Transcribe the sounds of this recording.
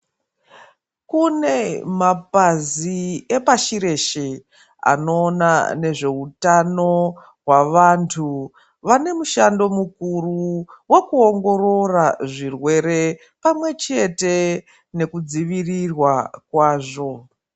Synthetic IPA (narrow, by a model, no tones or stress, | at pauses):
kune̞mapaziepaʃiɾe̞ʃe | a̰no̞ːnane̞ʐe̞utano̞ | waʋantʰu | ʋane̞muʃando̞mukuruwe̞kuo̞ŋɡo̞ro̞raʐirwe̞ɾe̞ | pamwe̞t͡ʃe̞te̞ | ne̞kud͡ziʋirirwakwaːʐo̞